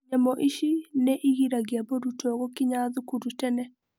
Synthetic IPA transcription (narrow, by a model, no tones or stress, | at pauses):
ɲɛmɔʔiʃineʔiɣiɾaɡiaboɾutɔɣɔkiɲaðukuɾutɛnɛ